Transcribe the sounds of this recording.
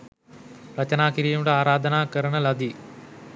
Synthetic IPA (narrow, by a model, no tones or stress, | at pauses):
rɐt͡ɕɐnaːkiɾijumɽeaːɾaːd̪ʱɐnaːkɐɾɐɳɐlɐd̪i